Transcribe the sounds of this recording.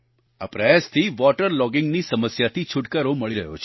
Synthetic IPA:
a̰pɾəjast̪ʰiʋɔʈəɾlɔɡɪŋɡnisəməsjat̪ʰit͡ʃʰʊʈkəɾoməɭiɾəɦo̰t͡ʃʰe

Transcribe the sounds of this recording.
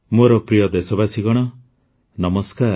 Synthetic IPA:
moɾɔpɾijɔd̪esɔbasiɡɔɽ̃ɔ | nɔmɔskaɾ

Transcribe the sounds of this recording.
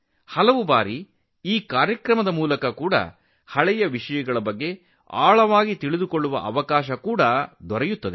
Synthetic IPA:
hɐlɐʋubaːɾi | iːkaːɾjɐkɾɐmɐd̪ɐmuːlɐkɐkuːɽɐ̰ | hɐɭɛjɐʋiʂɐjɐɡɐɭɐbɐɡːe̞ | a̰ːɭɐʋaːɡit̪iɭid̪ukoɭːuʋɐ̰ʔɐʋɐkaːʃɐkuːɽɐd̪ɔɾɛjut̪ːɐd̪e

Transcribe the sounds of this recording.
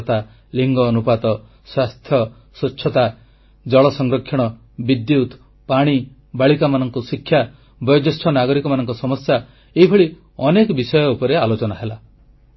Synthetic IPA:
t̪a | liŋɡɔnupat̪ɔ | swast̪ʰjɔ | sut͡ʃʰːɔt̪a | d͡ʒɔɭɔsɔŋɡɾɔkʰjɔɽ̃ɔ | bid̪jut̪ | paɽ̃i | baɭikamanɔŋkusikʰːja | bɔjɔd͡ʒɔsʈʰɔnaɡɔɾikɔmanɔŋkɔsɔmɔsja | eɦibʱɔɭi | ɔnekɔbisɔjɔupɔɾealot͡ʃɔnaɦela

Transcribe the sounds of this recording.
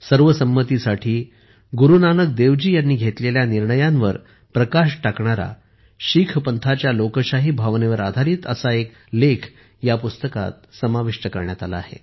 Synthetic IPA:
səɾʋəsəmːət̪isaʈʰiː | ɡuɾunanək̚d̪eʋd͡ʑiːjanːiːɡʱet̪leljaniɾɳəjãnʋəɾ | pɾəkaɕʈakɳaɾa̰ | ɕikʰpənt̪ʰat͡ɕjalokəɕaɦiːbʱaʋneʋəɾad̪ʱaɾiːt̪ə̰saek | lekʰ | japust̪əka̰t̪̚səmaʋiʂʈəkəɾɳjat̪ala̰ːɦḛ

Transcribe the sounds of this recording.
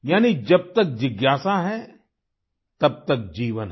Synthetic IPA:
jaːnid͡ʒɐb̚t̪ɐk̚d͡ʒɪɡjaːsaɦɛ | t̪ɐb̚t̪ɐk̚d͡ʒiːʋənɦ

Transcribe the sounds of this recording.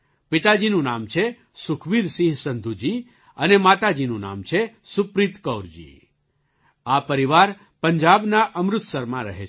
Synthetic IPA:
pit̪ad͡ʒinũnamt͡ʃʰe | sʊkʰʋid̪siɦsənd̪ʱud͡ʒi | ənemat̪ad͡ʒinũna̰mt͡ʃʰe | sʊpɾit̪kəwɾd͡ʒḭ | apəɾiʋaɾ | pəɲd͡ʒabnaʔəmɾʊt̪səɾmãɾəɦe

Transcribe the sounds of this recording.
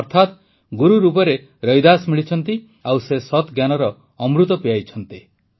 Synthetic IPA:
ɔɾt̪ʰat̪ | ɡuɾuɾup̬ɔɾe | ɾɔjd̪asmiɭit͡ʃʰɔnt̪i | awsesɔt̪ɡjanɔɾɔː | mɾut̪ɔpiajt͡ʃʰɔnt̪i

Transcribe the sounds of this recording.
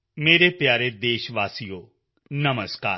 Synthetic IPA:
meːɾepjaːɾed̪eːʃʋaːsijoː | nɐməskaː

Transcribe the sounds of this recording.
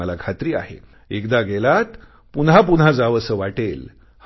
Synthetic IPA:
əlakʰat̪ɾiːa̰ɦḛ | ekd̪aɡelat̪ | punɦapunɦad͡zaʋəsəʋaʈel | h

